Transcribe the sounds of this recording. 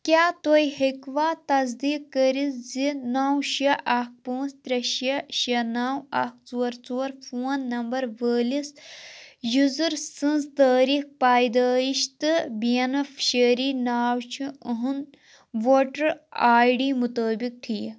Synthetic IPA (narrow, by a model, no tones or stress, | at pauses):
kʲaːt̪ojhekʋaːt̪ɐzd̪iːkkːəɾiszinaːwʃɐʔɐk̚põːnst̪ɾʲɐʃɐʃɐnaːwɐ̰k̚t͡soːɾt͡soːɾfuːnːɐmbɐɾʋəːlis | juzuɾsɨ̃nzt̪əːɾik̚paːjd̪əːjiʃt̪ɨbiɐnɐfʃeːɾiːnaːwt͡ʃʰiəɦun | ʋoːʈɐɾaːjɖiːmut̪əːbik̚ʈʰiː